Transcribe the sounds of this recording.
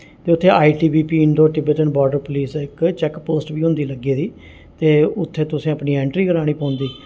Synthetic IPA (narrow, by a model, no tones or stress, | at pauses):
t̪eːʊt̪ʰːeːʔaːiːʈiːbiːpiːɪɳɖoːʈɪbɛːʈənbɔːɾɖəɾpʊliːsɪkt͡ʃɛkpoːsʈʋiːɦʊ̃nd̪iːləɡeːd̪iː | t̪eːʊt̪ʰːeːt̪ʊsĩːəpniːɛ̃ːɳʈɾiːkəɾaːɽ̃iːpãːnd̪iː